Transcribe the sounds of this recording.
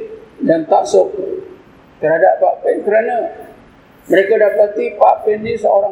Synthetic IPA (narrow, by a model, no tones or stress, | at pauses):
dant̪aʔsʊk̚ | t̪əɾɦadap̚paʔpɛnkəɾana | məɾekadapat̪ipaʔpɛnnisəoɾa